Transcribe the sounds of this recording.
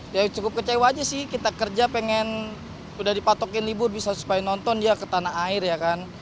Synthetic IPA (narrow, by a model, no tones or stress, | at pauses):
jat͡ʃukʊp̚kət͡ʃewad͡ʒasɪhkit̪akərd͡ʒapeŋɛn | udadipat̪ɔkɪnlibʊrbisasu̥pajanɔnt̪ɔndiakət̪anaaɪrjakan